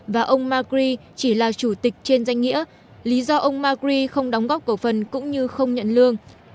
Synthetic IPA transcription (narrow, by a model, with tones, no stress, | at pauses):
vaː˨˩ʔə˧wŋ͡mmaː˧kɾi˧t͡ɕi˧˩laː˨˩t͡ɕu˧˩t̪ï˨˩k̟̚t͡ɕe˧nza˧jŋ̟ŋḭ˧˥ə | li˨˦zɔ˧ʔə˧wŋ͡mmaː˧kɾi˧xə˧wŋ͡mɗɔ˨˦ŋ͡mɣɔ˦˥p̚kə˧˩fə˨˩nkʊ̰˧˥ŋ͡mɲɨ˧xə˧wŋ͡mɲə̰˧˨nlɨ˧əŋ